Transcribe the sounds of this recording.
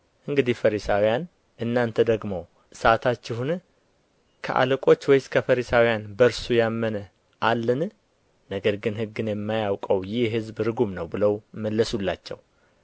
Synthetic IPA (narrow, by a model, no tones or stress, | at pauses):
ʔɨŋɡɨd̪ihfəɾisawijan | ʔɨnːant̪ʰəd̪əɡmo̞ | sat̪ʰat͡ʃːɪhun | kʰə̰ʔa̰lɨkʼo̞t͡ʃːwɔjskʰəfəɾisawijanbəɾsujamːənə | ʔalːɨn | nəɡəɾɡɨnhɨɡːɨnjɛmːajawkʼəwjɪhɦɨzbɾɨɡumnəwbɨləwməlːəsulːa̰t͡ʃːɛ̰w